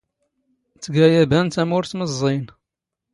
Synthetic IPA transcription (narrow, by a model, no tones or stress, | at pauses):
t͡sːəɡæjæbænt̪æmʊɾθməzˤːin